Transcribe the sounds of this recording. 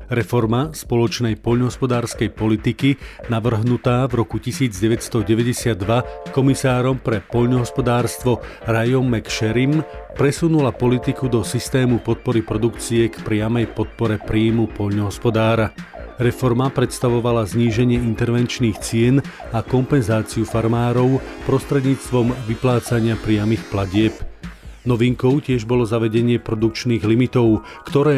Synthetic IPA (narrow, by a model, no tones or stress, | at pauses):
ɾɛfɔɾmaspɔlɔt͡ʃnɛjpɔʎnɔɦɔspɔd̪aːɾskɛjpɔlit̪ikinaʋr̩ɦnut̪aːvɾɔkucisiːd͡zɟɛʋɛcst̪ɔɟɛʋɛɟɛsɪad̪ːʋakɔmisaːɾɔmpɾɛpɔʎnɔɦɔspɔd̪aːɾst̪ʋɔ | ɾajɔmːɛkʃɛɾimpɾɛsunulapɔlit̪ikud̪ɔsist̪ɛːmupɔt̪̚pɔɾipɾɔd̪ukt͡siɛkpɾɪamɛjpɔt̪̚pɔɾɛpɾiːmupɔʎnɔɦɔspɔd̪aːɾaɾɛfɔɾmapɾɛt̪st̪aʋɔʋalazɲiːʒɛɲɪɛint̪ɛɾʋɛnt͡ʃniːxt͡sɪɛn | akɔmpɛnzaːt͡siufaɾmaːɾɔʊpɾɔst̪ɾɛd̪ɲiːt͡st̪ʋɔmʋiplaːt͡saɲɪapɾɪamixplaɟɪɛpnɔʋiŋkɔʊcɪɛʒbɔlɔzaʋɛɟɛɲɪɛpɾɔd̪uk̚t͡ʃniːɣlimit̪ɔʊ | kt̪ɔɾɛː